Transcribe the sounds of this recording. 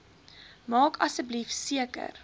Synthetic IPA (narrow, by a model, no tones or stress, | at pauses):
mɑːkɐsəblifsiəkə̰r